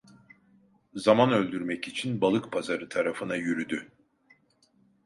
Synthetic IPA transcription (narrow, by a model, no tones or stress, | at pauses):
zamanø̞lʲd̪yɾmɛcit͡ʃʰinbalˠɯkpʰazaɾɯt̪ʰaɾafɯnajyɾyd̪y